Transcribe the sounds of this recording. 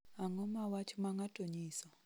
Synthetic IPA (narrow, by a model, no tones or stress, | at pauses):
aŋɔmawat͡ʃʰumaŋatʼoɲiːsɔ